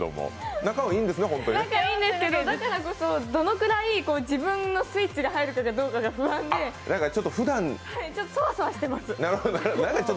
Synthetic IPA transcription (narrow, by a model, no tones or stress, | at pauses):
o̰mo̰nakamoĩːnd̪e̞sɨneɦõ̞nt̪oɲnãkaiːnd̪e̞sɨ̥ke̞d̪od̪akaɾako̞sod̪o̞no̞kɯ̟ɾaiko̞ːd͡ʑibɯ̟̃nːo̞sɨit͡ɕiɡaɦaiɾɯ̟kaɡad̪o̞ːkaɡaɸɯ̟βãnd̪e̞d̪akaɾt͡ɕot̪ːoɸɯ̟d̪ãnhait͡ɕo̞t̪ːosoβasoβaɕi̥t̪emasɨnaɾɯoonaɾnãŋkat͡ɕot̪ː